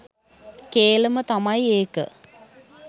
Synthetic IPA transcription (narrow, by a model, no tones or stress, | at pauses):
keːlɐmɐt̪ɐmɐjeːkə̰